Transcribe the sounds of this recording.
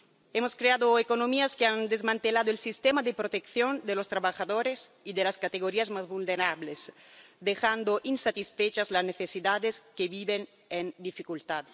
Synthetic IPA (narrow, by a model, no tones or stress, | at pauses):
emoskɾead̪oekonomiaskeand̪ezmãnt̪elad̪oelsist̪emad̪epɾot̪ekθjond̪elost̪ɾaβaxaðoɾes | id̪elaskat̪eɣoɾiazmazbulneɾables | d̪exand̪oʔinsat̪isfet͡ʃazlazneθesid̪ad̪eskebiben | end̪ifikult̪ad̪